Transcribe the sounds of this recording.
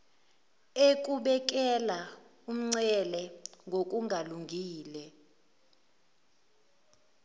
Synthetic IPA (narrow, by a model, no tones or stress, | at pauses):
ek̬ʼuɓɛk̬ʼɛla | um̩ŋ͡ǀɛlɛŋɡʱok̬ʼuŋʱaluŋɡʱiːlɛ